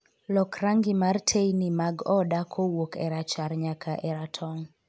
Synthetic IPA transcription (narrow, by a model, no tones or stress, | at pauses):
lɔkraŋɡɪmartʰejnimaɡɔdakʰowokɛɾat͡ʃaɾɲakʰaʔɛɾatʰɔŋ